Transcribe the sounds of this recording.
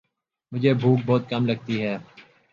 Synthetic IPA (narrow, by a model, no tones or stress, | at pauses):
mʊd͡ʒʱeːbʱuːk̚bɔːt̪̚kɐmlɐɡ̚t̪iɦɛː